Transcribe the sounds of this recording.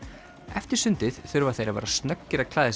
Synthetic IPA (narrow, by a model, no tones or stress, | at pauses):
ɛft̪ɪɾ̥sʏnt̪ɪðθʏɾvaθejɾava̰ːɾast̪nœkːɪɾakʰlaːðɪs